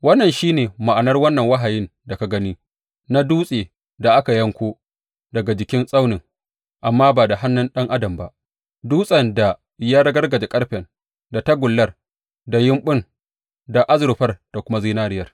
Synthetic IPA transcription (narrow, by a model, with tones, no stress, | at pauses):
wɐ˦nːɐ˨nʃiː˦neː˨ma˨ʔa˨nɐ˦rwɐ˦nːɐ˨ŋwɐ˦ɦa˨jɪ˦nda˨ka˨ɡɐ˦niː˦ | na˦duː˦sʼeː˨ | da˨ʔa˦ka˨jɐ˦ŋkʷoː˦ | dɐ˨ɡa˨d͡ʒɪ˨kʲɪ˦nsʼa˦wnɪ˨ŋ | ʔa˨mːaː˦baː˨da˨ɦa˦nːʊ˦nɗɐ˦ŋʔa˦dɐ˨mba̰˦ | duː˦sʼɐ˨nda˨ | jaː˦ɽɐ˦ɡɐ˦rɡɐ˨d͡ʒe˨kʼɐ˦ɽɸɛ˨n | da˨tɐ˦ɡʷʊ˨lːɐ˦r | da˨jɪ˦mɓʊ˦n | da˨ʔa˦zɾʊ˨ɸɐ˦rd̥a˨kʷʊ˦ma˦zi˦naː˦ɽɪ˦jɐ˨r